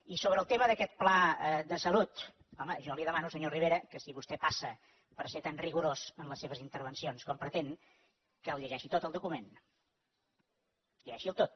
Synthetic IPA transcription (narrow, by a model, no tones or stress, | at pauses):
isoβɾəːlˠt̪eməðəkɛt̪̚plaəd̪əsəlut̪ | ɔməʒɔliðəmanusəɲoriβeɾəkəsiβust̪ɛpasə | pəɾset̪anriɣuɾozənləsːeβ̞əzint̪əɾβənsionskɔmpɾət̪en | kəːlʎəʒɛʃit̪ot̪əlˠd̪ukumen | ʎəʒɛʃiəlˠt̪ot̪̚